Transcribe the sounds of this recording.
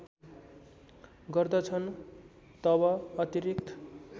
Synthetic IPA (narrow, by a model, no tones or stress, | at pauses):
ɡʌrd̪ʌt͡sʰʌn | t̪ʌbʌʌt̪iɾikt̪ʰ